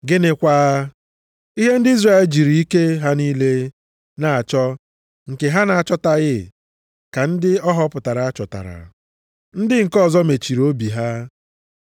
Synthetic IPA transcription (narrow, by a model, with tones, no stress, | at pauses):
ɡɪ˦nɪ˨kʷaː˦ | i˦ɦe˦n̩˦dɪ˦i˦zra˦˨e˨ld͡ʒi˨ɾi˨i˦ke˦ɦa˦niː˦le˦ | na˨a˨t͡ʃɔ˦ | ŋ̩˨ke˨ɦa˦na˨a˨t͡ʃɔ˦ta˨ɣɪ˦ | ka˨n̩˦dɪ˦ɔ˦ɦɔ˦pʊ˨ta˨ɾa˨a˦t͡ʃɔ˨ta̰˨ɾa̰˨ | n̩˦dɪ˦ŋ̩˨kɔ˦˨zɔ˦me˨t͡ʃi˨ɾo˦bi˨ɦa˦